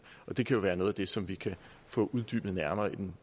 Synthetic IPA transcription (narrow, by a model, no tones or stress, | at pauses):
ʔɒ̽d̥e̝kʰæjo̝ʋæːɐnoðˠæd̥e̝sɒ̽mʋikʰæ | fɔ̰̽ːʔuð̞ˠd̥y̰ːb̥n̩ˠnæɐmɐːid̥en